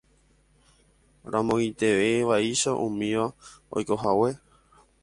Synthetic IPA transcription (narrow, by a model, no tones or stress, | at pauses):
ɾãmõŋit̪e̞ʋeʋaiʃaʔũmĩʋao̰jko̞ɦawe̞